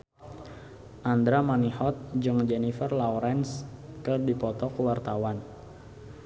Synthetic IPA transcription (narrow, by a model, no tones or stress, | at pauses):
ʔand̪ɾamanihɔt̪̚d͡ʒɨŋd͡ʒɛnifərlauɾɛnskɨrdipɔt̪ɔkəwart̪awan